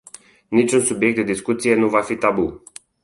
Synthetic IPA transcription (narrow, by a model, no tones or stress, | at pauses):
nit͡ʃunsubjekt̪d̪ed̪iskut̪sije̞nuvafit̪abu